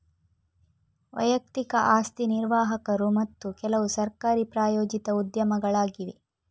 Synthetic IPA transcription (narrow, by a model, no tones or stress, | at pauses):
ʋɐ̰jɐk̚t̪ikɐʔaːst̪iniɾʋaːɦɐkɐɾumɐt̪ːukɛlɐʋusɐɾkaːɾipɾaːjoːd͡ʒit̪ɐud̪jɐmɐɡɐɭaːɡiʋi